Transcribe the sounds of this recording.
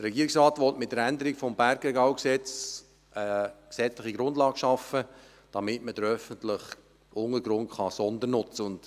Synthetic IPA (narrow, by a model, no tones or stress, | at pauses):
dəɾrɾɛɡiːɾɪksrɑːtʋɔtmɪt̚dəɾændəɾɪɡfɔmbæɾɡɛɡaʊksɛt͡s | ʔəksɛt͡sləχiɡɾʊndlɑːɡ̥ʃɑfə | d̥ɑmɪtməd̥əɾœfəntlɪχ | ʔʊŋəɾɡɾʊŋχɑsɔndəɾnʊt͡səʊnd̥